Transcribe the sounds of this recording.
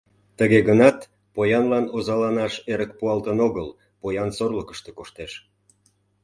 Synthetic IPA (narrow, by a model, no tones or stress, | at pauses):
t̪əɣeɣənɑt̪ | pojɑnlɑnozɑlɑnɑʃeɾək̚puɑlt̪ənoɣəl | pojɑnsorləkə̥ʃt̪e̽koʃt̪eʃ